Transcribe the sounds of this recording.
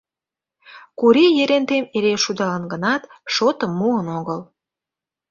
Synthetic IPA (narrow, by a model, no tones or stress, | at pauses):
kuɾijeɾent̪emeɾeʃud̪ɑlɑnɡənɑt̪ʃot̪əmːuənoɣəl